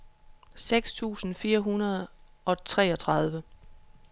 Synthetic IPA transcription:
seɡ̥st͡sʰṵːsn̩fiːɐɦunɐð̞̩ˠʔɒ̽t͡sʰʁɛ̰ːɒ̽t͡sʰʁɑ̈ð̞ˠʋə

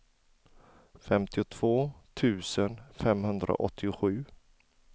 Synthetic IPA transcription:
fɛmt̪ɪʊt̪ʰv̥oːt̪ʰʉ̟ːsənfɛmhɵnd̪ɾa̰ʔɔ̰t̪ʰːɪʊɧʉ̟ː

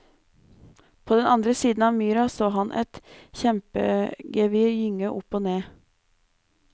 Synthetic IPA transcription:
pʰoːd̪ɛnɑnd̪ɾəsiːd̪n̩ɑːʋmyːɾɑsoːɦɑnʔɛ̰t̪çɛmpə̰ɡɛʋɪjʏŋəʔʊpoːneː

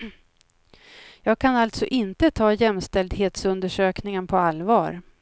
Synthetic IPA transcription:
jɑːɡ̚kʰanalt̪sɔʔɪnt̪ət̪ʰɑːjɛmst̪ɛld̪ɦeːt̪sɵnd̪əʂøːknɪŋənpʰɔalvɑːɾ

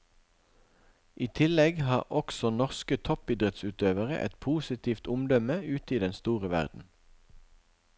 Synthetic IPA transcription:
ʔiːt̪ʰɪlɛɡhɑːʁʔɔksɔnɔʁskət̪ʰɔpiːd̪ʁɛt̪sʉːt̪øːʋəʁə̰ʔɛ̰t̪pʰuːsɪt̪ʰiːft̪ʊmd̪œməʉːt̪iːd̪ɛnst̪uːʁəʋæ̰ʁd̪n̩

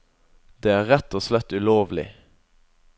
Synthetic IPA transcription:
d̪̥eːæːʁɛt̪oslɛt̪ʉloːʋlɪ̰

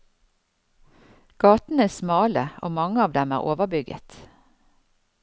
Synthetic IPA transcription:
ɡ̥ɑːt̪n̩əæːsmɑːləʔo̰ːmɑŋəɑːʋd̪ɛmæ̰ːʁoːʋəʁbʏɡə̰t̪

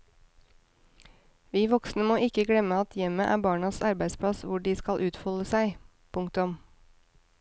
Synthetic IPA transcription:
ʋiːʋɔksnəmoːɪkəɡɽɛməɑt̪ʰjɛməʔæ̰ːbɑːɳɑsɑɾbæɪspʰɽɑsʋʊɖiːskɑlʔʉːt̪fɔləsæɪ | pʰʊŋkt̪ʊm

